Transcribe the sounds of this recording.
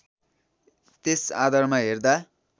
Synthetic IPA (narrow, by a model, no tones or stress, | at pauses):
t̪esa̰d̪ʌrmaɦerd̪a